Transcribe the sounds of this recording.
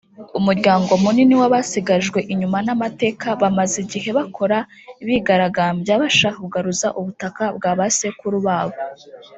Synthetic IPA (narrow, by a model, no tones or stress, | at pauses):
umuɾɟaːŋɡo̞muniniwaβasiɡaʒɡwe̞ʔiɲumanamate̞ːkaβamaziɟiɦe̞βakʰo̞ɾa | iβiɡaɾaɡaːmbjaβaʃahuɡaɾuzaʔuβutakab̚ɡaːβase̞kuɾuβaːβo